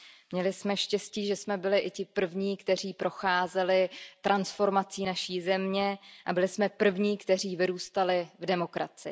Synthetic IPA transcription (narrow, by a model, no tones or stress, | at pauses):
mɲɛlɪsmɛʃcɛsciːʒɛsmɛbɪlɪʔɪcɪpr̩vɲiːkt̪ɛr̝iːpɾo̞xaːzɛlɪt̪ɾʔansfo̞ɾmat͡siːnaʃiːzɛmɲɛʔabɪlɪsmɛpr̩vɲiːkt̪ɛriːvɪɾuːst̪alɪvdɛmo̞kɾa̰t͡sɪ̰